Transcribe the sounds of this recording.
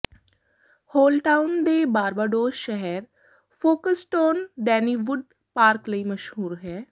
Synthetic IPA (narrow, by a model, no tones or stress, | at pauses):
hoːlʈaːʊnd̪ebaːɾbaːɖoːʃɛɦɛɾ | foːkəsʈoːnɖɛːniːʋʊɖ | paːɾklɐimɐʃɦuːɾɦɛː